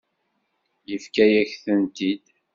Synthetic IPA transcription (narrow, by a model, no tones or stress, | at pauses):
jəfkæjæçθənt̪id̪